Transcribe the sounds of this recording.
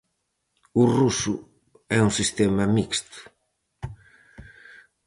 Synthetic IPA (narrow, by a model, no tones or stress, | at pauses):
urusʊ | ɛuŋsist̪ɛmɐmikst̪ʊ̥